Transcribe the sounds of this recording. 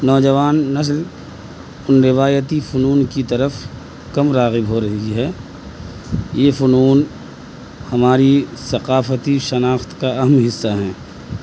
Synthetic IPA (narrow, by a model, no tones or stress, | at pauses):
nɔːd͡ʒɐʋaːnːɐs̬l | ʊnɾɪʋaːjət̪ifʊnuːnkit̪ɐɾəf | kɐmɾaːɣɪbɦoɾɐɦiɦɛː | jeːfʊnuːn | hɐmaːɾisɐqaːfət̪iʃɐnaːxt̪kaɐɦəmɦɪsːaɦɛ̃ː